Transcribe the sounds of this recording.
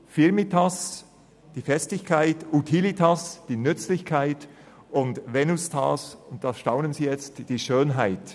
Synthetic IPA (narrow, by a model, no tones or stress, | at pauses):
fɪɾmitʰas | d̥iːfɛstɪçkʰaɪtutʰilitʰasd̥iːnʏt͡slɪçkʰaɪt | ʊndvɛnʊstʰasʊnt̚d̥ɑʃtaʊnənziːjɛt͡std̥iːʃøːnɦaɪt